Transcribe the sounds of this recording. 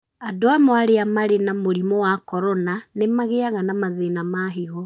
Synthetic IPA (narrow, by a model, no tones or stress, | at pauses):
adoamɔaɾeamaɾenamoɾimɔwakɔɾɔnanemaɣeaɣanamaðenamaɦeɣɔ